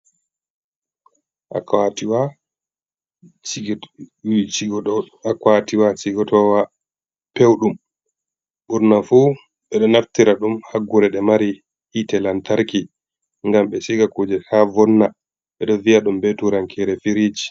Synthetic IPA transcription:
ʔa̰katiwa | iɡ | akwatiwat͡ʃiɡɔtɔwa | pewɗum | ɓuɾnafu | ɓɛɗɔnaftiɾaɗumhaɡːuɾɛɗɛmaɾi | hitɛlantaɾki | ŋɡamɓɛsiɡakoːd͡ʒɛhavɔnːa | ɓɛɗɔviaɗumbetuɾaŋkʰɛɾɛfiɾid͡ʒi

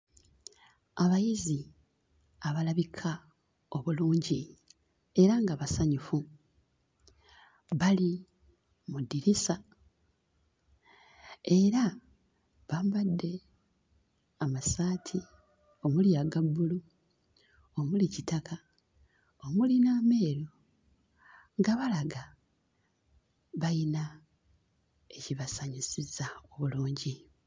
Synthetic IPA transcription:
aβajizi | aβalaβikʰa | oβuluːɲɟi | e̞ɾaŋɡaβasaɲufu | βali | mudiɾisa | e̞ɾa | βaːmbadːe̞ | amasaːtʰi | o̞muliaɡabːulu | o̞mulicitaka | o̞mulinaːme̞ːɾo | ŋɡaβalaɡa | βajina | e̞ciβasaɲusizao̞βuluːɲɟi

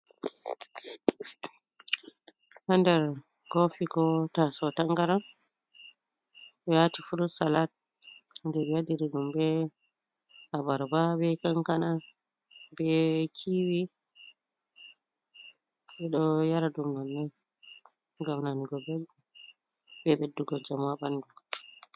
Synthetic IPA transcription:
handɛɾ | ɡɔfiɡɔtasɔtaŋɡaɾan | ɓɛwatifuɗusalat̚ | ndɛbɛjadiɾiɗumbɛ | habaɾbabɛkaŋkana | bɛkʰiwi | ɓɛɗɔjaɾadumnanːɛ | ɡamnaniɡɔbɛlu | bɛɓedːuɡɔd͡ʒamabandu

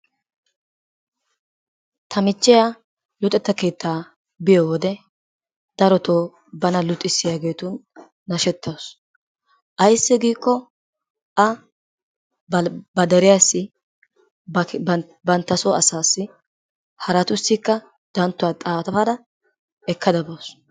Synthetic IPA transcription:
t̪ʰɐmɪt͡ʃːɪja | lʊt̪ʼːɛt̪ːɐke̞ːt̪ːaː | bɪjowɔd̪ɛ | d̪̥ɐɾɔt̪oː | bɐnɐlʊt̪ʼːɪsːɪjaːɡe̞ːt̪ʊnː | ɐʃɛt̪ːɐws | ʔɐjsːɪɡiːkːɔ | ʔɐ | bɐd̪ɛɾɪjasːɪ | bɐnt̪ːɐsoɐsaːsːɪ | hɐɾɐt̪ʊsːɪkːɐ | d̪̥ɐnt̪ːʊaːt̪ʼaːt̪ɐfɐd̪ɐ | ɛkːɐd̪ɐboːs

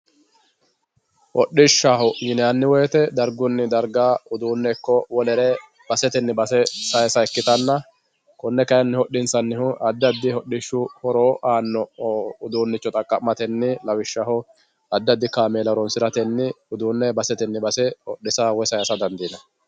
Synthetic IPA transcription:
hɔɗːɪʃːaːhʊjɪnɛɐnːɪwɔjɛt̪ɛd̪ɐɾɡʊnːɪd̪ɐɾɡaːʊd̪uːnːɛkːɔwɔlɛɾɛ | bɐsɛt̪ɛnːɪbɐsɛsɐjsɐɛkːɪt̪ɐnːɐ | kɔnːɛkɐjɐnːɪhɔɗːɪnsɐnːɪhʊʔɐd̪ːɐd̪ːɪhɔɗːɪʃːʊhɔɾoːʔaːnːɔʊd̪uːnːɪt͡ʃːɔt̪ʼɐkʼːɐmɐt̪ɛnːɪlɐwɪʃːaːhʊ | ɐd̪ːɐd̪ːɪkaːmeːlɐɾɔnsɪɾɐt̪ɛnːɪ | ʊd̪uːnːɛbɐsɛt̪ɛnːɪbɐsɛhɔɗːɪsaːwɔjsɐjɐsɐd̪ɐnd̪iːnɐ

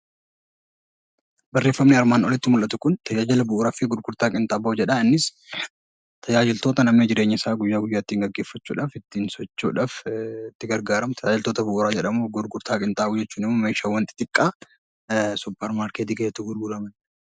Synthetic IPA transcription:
bɐrːeːfːɐmnɪɐɾmaːnɔlɪt̪ːɪmʊlʔɐt̪ʊkʊnt̪ɐjaːd͡ʒɪlɐbʊʔːɾaːfɪɡʊɾɡʊɾt̪aːkʼɪnt̪ʼaːbɐʊd͡ʒɛᶑaɪnːɪs | t̪ʰɐjaːd͡ʒɪlt̪o̞ːt̪ɐnɐmned͡ʒɪɾeːɲːɐɪsaːɡʊjːaːɡʊjːaːɪt̪ːiːŋɡɐɡːe̞ːfːɐt͡ʃːṵːᶑaːfɪt̪ːiːnsɔt͡ʃːṵːᶑaːfɪt̪ːɪɡɐɾɡaːɾɐmt̪ʰɐjaːd͡ʒɪlt̪o̞ːt̪ɐbʊʔʊɾaːd͡ʒɛᶑɐmuːɡʊɾɡʊɾt̪ʰaːkʼɪnt̪ʼaːud͡ʒɛt͡ʃːuːnɪmːomeːʃaːwɐnt̪ɪ̥t̪ʼɪkʼːa | sʊpːɛɾmaːɾkeːt̪iɡɐjɛt̪ʊɡʊɾɡʊlɐmɐn

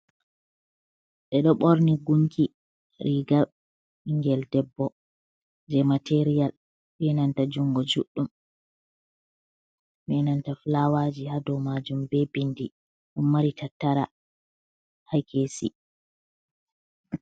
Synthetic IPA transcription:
ɗɛɗɔɓɔɾniɡuŋkʰi | ɾiɡa | iŋɡɛldɛbːɔ | d͡ʒɛmateɾijal | ɓɛnantad͡ʒuŋɡɔd͡ʒṵɗːum | ɓɛnantaflawad͡ʒihadɔmad͡ʒumbɛbindi | ɗumːaɾitataɾa | hajkʰesḭ

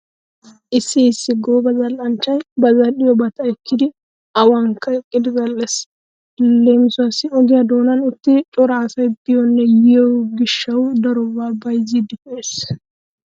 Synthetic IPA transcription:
ʔɪsːɪːsːɪɡoːbɐzɐlːɐnt͡ʃːɐjbɐzɐɗɪjɔbɐt̪ɐɪkːɪd̪ɪ | ɐwɐŋkːɐɛkʼːɪd̪ɪzɐlːɛs | leːmɪsʊɐsɪɔɡɪjɐd̪oːnɐnʊt̪ːɪt͡ʃʼɔɾaːsɐjbɪjɔnːɛjɛɛwɡɪʃːɐwd̪ɐɾʊbaːbɐjzɪd̪ɪkʊʔes

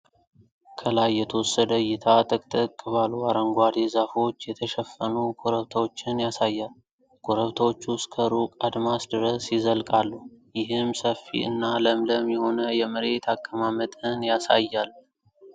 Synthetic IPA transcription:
kʰəlajːɛt̪ʰəwosəd̪əjɪt̪ʰat̪ʼəkʼt̪ʼɨkʼːɨβalːuaɾəŋɡʷwad̪ezafo̞t͡ʃːjɛt̪ʰəʃɛfːənukʰʼoɾəβt̪ʰəwo̞t͡ʃːɪnjasajːal | kʰʼoɾəβt̪ʰəwo̞t͡ʃːuskʰəɾukʼad̪masd̪ɨɾəsjɪzəlkʼalːujɪɦɪmsəfːḭɨ̰nːaləmləmːiho̞nəjɛmɨɾe̞t̪ʰakːəmamət̪ʼɨnjasa̰jːal

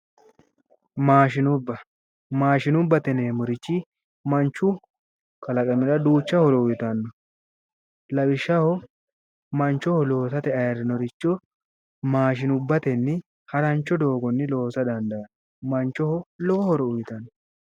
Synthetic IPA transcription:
maːʃɪnʊbːɐ | maːʃɪnʊbːɐt̪ɛneːmʊɾɪt͡ʃːɪ | mɐnt͡ʃːʊ | kɐlɐkʼɐmɪɾɐd̪uːt͡ʃːɐhɔɾɔʊjt̪ɐnːɔ | lɐbɪʃːɐhɔ | mɐnt͡ʃːɔhɔlo̞ːsɐt̪ɛɐjɐɾɪnɔɾɪt͡ʃːɔ | maːʃ̬ɪnʊbːɐt̪ɛnːɪ | hɐɾɐnt͡ʃːɔd̪o̞ːɡɔnːɪlo̞ːsɐd̪ɐnd̪ɐɐn | mɐnt͡ʃːɔhɔlɔkɔhɔɾɔʊjt̪ɐnːɔ

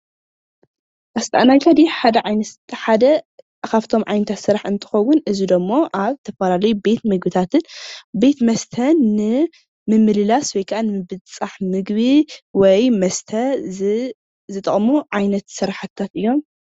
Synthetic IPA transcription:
ʔɐst̪ʰʼaʔanajkʰad̪iħad̪ɐʕajnɐħad̪ɐ | kʰaβt̪ʰo̞mʕajnɐt̪ʰat̪sɨɾaħɨnt̪ʰɨ̥xɐwʊnʔɨzid̪ɐmːoʔaβt̪ʰɐfɐlalɐjube̞t̪mɨɡbɨt̪ʰat̪ʰɨnbe̞t̪mɐst̪ʰɐnːɨ | mɨmːɨlɨlaswɔjkʰʔanɨmɨbɨt͡sʼaħmɨɡβiwɔjmɐst̪ʰɐ | zɨt̪ʼɐχʼmuʕajnɐt̪sɨɾaħat̪ʰːat̪ʔɨjːo̞m

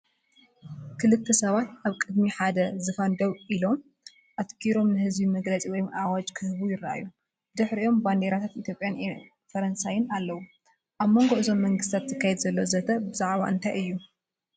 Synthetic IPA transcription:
kʰɨlɨt̪ʰːɐsɐβat̪aβkʼɨd̪miħad̪ɐzɨfand̪owʔilo̞m | ʔat̪kʰiɾo̞mnɨhɨzbimɐɡlɐt͡sʼiwɔjmʔawat͡ʃʼkʰɨhɨβujɪɾaʔa̰ju | d̪ɨħɾio̞mband̪eɾat̪ʰat̪it̪jo̞pʼjan | fɐɾɐnsajɪnalːɐwu | ʔaβmo̞ŋɡo̞ʔɨzo̞mːɐŋɡɨst̪ʰat̪t̪ʰːɨkʰːajɛd̪zɐlːozɐt̪ʰɐbɨzaʕβa̰ʔɨnt̪ʰajɨjːu

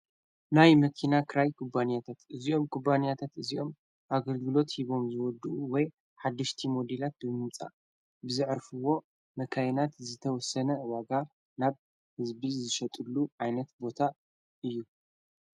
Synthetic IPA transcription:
najmɐkʰinakʰɨɾajkʰubanijat̪ʰat̪ɨzijo̞mkʰubanijat̪ʰat̪ɨzijo̞m | ʔaɡɐlɡɨlo̞t̪hiβo̞mzɨwɔd̪uuwɔj | ħad̪ːɐʃt̪ʰimod̪elat̪̚bɨmɨmt͡sʼa̰ | bɨzɨʕɾfɨwo̞ | mɐkʰajnat̪zɨt̪ʰɐwɔsɐnɐɨwaɡa | naβ | hɨzbizɨʃɐt̪ʼɨlːuʕajnɐt̪bo̞t̪ʰa | ʔɨjːu

